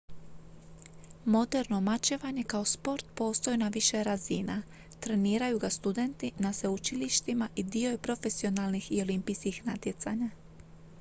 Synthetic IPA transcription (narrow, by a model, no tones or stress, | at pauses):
mo̞d̪e̞ɾno̞mat͡ɕeʋaɲe̞kao̞spo̞ɾt̪̚po̞ːst̪ojinaʋiʃe̞ɾazina | t̪ɾe̞niːɾajuɡast̪ud̪e̞nt̪inaseut͡ʃiliʃt̪imaʔid̪io̞jpɾo̞fe̞sio̞nalˠnixio̞limpijskixnat̪je̞t̪sa̰ɲa